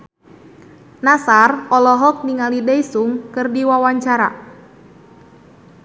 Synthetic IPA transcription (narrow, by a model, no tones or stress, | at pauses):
nasarɔlɔɦɔk̚niŋalideisuŋkɨrdiwawaɲt͡ʃaɾa̰